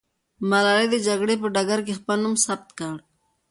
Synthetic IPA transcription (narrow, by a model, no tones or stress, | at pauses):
malɑɾed̪əd͡ʒaɡɽep̬əɖaɡaɾk̬expanumsab̚t̪̚kaɽ